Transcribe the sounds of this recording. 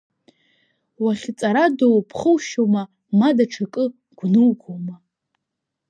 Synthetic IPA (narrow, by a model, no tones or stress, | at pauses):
waχʲt͡sʼaɾadowpʰχəwʃoma | madaʈ͡ʂʰakʼɨ | ɡ̥ʷnɨwɡʰʷoma